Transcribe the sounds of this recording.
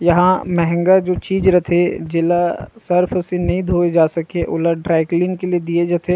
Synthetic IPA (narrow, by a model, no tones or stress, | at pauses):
jɐɦãmɛɦɛ̃ŋɡad͡ʒoːt͡ʃiːd͡ʒɾɐt̪ʰed͡ʒɪlasɐɾpʰsenɐɦĩd̪ʱoːed͡ʒaːsɐkeʔʊlaɖɾaːɪkliːnkelied̪ied͡ʒat̪ʰe